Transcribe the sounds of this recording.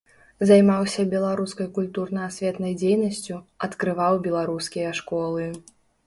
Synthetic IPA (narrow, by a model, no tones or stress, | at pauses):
zajmawsʲɐbʲɛlˠaɾuskɐjkulʲt̪urnɐasʲvʲɛt̪nɐjd͡zʲejnɐsʲt͡sʲuɐt̪kɾɨvawbʲɛlˠaɾuskʲijɐʂkɔlˠɨ